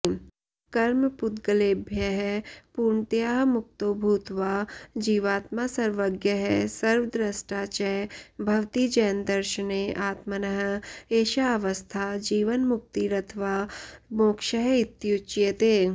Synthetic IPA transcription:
kɐɾmpʊt̪̚ɡɐleːbʱjɐɦɛpuːɾɳt̪jaːɦmʊk̚t̪oːbʱuːt̪ʋaːd͡ʒiːʋaːt̪masɐɾʋəɡjəɦɛsɐɾʋd̪ɾɐsʈaːt͡ʃɛjbʱɐʋt̪id͡ʒɐjnd̪ɐɾʃəneʔaːt̪mɐnɐɦə̆eːʃaɐʋəst̪ʰaːd͡ʒiːʋənmʊk̚t̪iɾɐt̪ʰʋaːmoːkʃɐɦɪt̪ːjut͡ʃjɐt̪eː

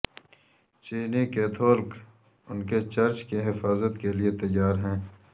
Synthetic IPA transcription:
t͡ʃiːnikeːt̪ʰoːlk | ʊnket͡ʃɐɾt͡ʃkeɦɪfaːzət̪keliet̪ɐjːaːɾɦɛ̃ː

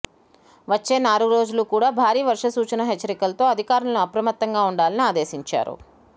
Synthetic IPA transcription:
ʋɐt͡ʃːe̞ːnaːɾuɡɾo̞ːd͡ʒulukuːɽaːbʱaːɾiːʋɐɾʂɐsuːt͡ʃɐnɐɦet͡ʃːɐɾikɐlɐt̪o̞ːɐd̪ʱikaːɾɐnɐnuɐpɾɐmɐt̪ːɐŋɡaːuɳɖaːlɐniaːd̪e̞ːsiɲt͡ʃa̰ːɾṵ

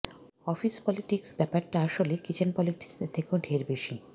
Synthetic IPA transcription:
ɔfispɔliʈiksbɛpaɾʈaaʃolekit͡ɕʰenpɔliʈi̥kst̪ʰːekeoɖʱeɾbeʃi

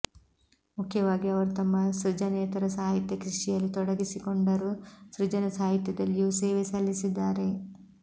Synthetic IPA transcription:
mukʰjɐʋaːɡiɐʋɐɾut̪ɐmːɐsɾid͡ʒɐnɛːt̪ɐɾɐsaːɦit̪jɐkɾiʂijɐlːit̪ɔɽɐɡisikoɳɖɐɾusɾud͡ʒɐnɐsaːɦit̪jɐd̪ɐlːijuseːʋesɐlːisid̪ːaːɾe̞

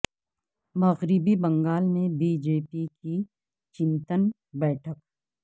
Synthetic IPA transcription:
mɐɣɾɪbibɐ̃ŋɡaːlmẽbiːd͡ʒeːpiki | t͡ʃɪ̃nt̪ən | bɛːʈʰək

